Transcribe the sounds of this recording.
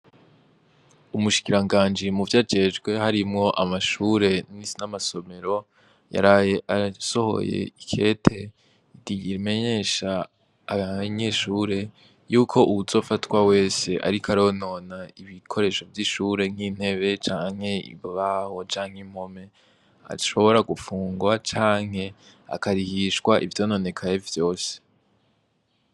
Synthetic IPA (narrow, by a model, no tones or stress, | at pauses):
umuʃi̥kiɾaŋɡaːnd͡ʒimuvjad͡ʒe̞d͡ʒɡwe̞haɾimŋo̞ʔamaʃuːɾe̞ninamaso̞me̞ɾo̞ | ja̰ɾajeaso̞ho̞̰jḛikʰe̞ːtʰe̞ | itiɡiɾime̞ɲe̞ːʃaː | βaɲeːʃuːɾe̞ | juːkʰo̞ʔuβuzo̞fatwawe̞ːse̞ʔa̰ɾikaɾoono̞ːnaiβikʰo̞ɾe̞ːʃo̞vjiʃuːɾe̞ŋ̥iːn̥e̞βe̞t͡ʃaːŋhe̞ḭββaho̞t͡ʃaːŋ̥him̥ho̞me̞ | a̰ʃo̞βo̞ɾaɡufuːŋɡwat͡ʃaːŋ̥he̞ | a̰kaɾihiʃɡwaʔḭvjoːno̞ne̞kʰajevjo̞ːse̥